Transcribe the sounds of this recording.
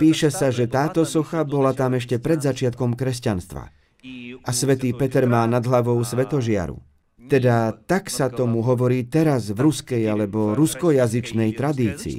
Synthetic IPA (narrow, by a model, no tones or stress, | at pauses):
piːʃɛsaʒɛt̪aːt̪ɔsɔxabɔlat̪amɛʃ̬cɛpɾɛd̪zat͡ʃɪat̪̚kɔmkɾɛscanst̪ʋa̰ | ʔasʋɛt̪iːpɛt̪ɛɾmaːnad̪ɦlaʋɔʊsʋɛt̪ɔʒɪa̰ɾṵ | t̪ɛd̪at̪aksat̪ɔmuɦɔʋɔɾiːt̪ɛɾazvɾuskɛjalɛbɔɾuskɔjazit͡ʃnɛjt̪ɾad̪iːt͡sḭː